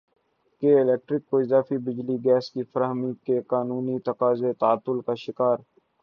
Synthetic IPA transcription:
keɪlɛːk̚ʈɾɪkːoɪzaːfibɪd͡ʒliɡɛːskifɐɾɦmikekaːnuːnit̪ɐkaːzet̪aːt̪ːʊlkaʃɪkaːɾ

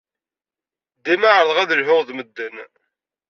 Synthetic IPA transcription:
d̪imaʕəɾðˤʁæðəlɦʊʁðməd̪ːən

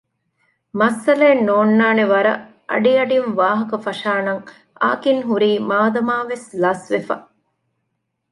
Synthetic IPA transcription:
mɐsːɐleːnːoːnːaːneʋɐɾɐ | ʔɐ̰ɖiɐɖinʋaːɦɐkɐfɐʃaːnɐŋ | a̰ːkiŋɦuɾiːmaːd̪ɐmaːʋeslɐsʋefɐ̰

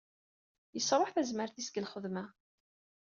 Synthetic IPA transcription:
jəsɾˤoħθæzməɾθisɡəlχəðmæ

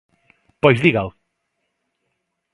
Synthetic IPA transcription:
pojzðiɣalˠ

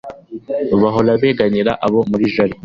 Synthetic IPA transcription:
βaɦo̞laβeːɡaɲiɾaʔaβo̞muɾiʒaɾi

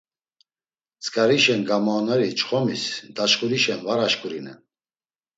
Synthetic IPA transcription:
t͡sʼkʼaɾiʃɛnɡamanɛɾit͡ʃχɔmisd̪aʃkʼuɾiʃɛnvaɾaʃkʼuɾinɛn

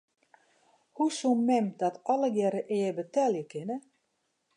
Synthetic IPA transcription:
husunmɛmdɔtɔləɡjɛɾəʔɪːəbətɛljəkɪnə

